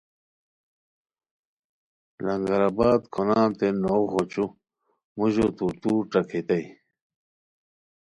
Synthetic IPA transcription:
lɐŋɡɐɾabaːd̪kʰonaːnt̪enoɣot͡ɕu | muʑot̪ut̪uʈ͡ʂɐkʰet̪ɐj

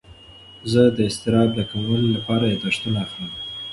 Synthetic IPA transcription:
zəd̪əɪst̪ɪɾɑd̪̚ːəkamwəlolapɑɾajed̪aʂt̪unaːxləm

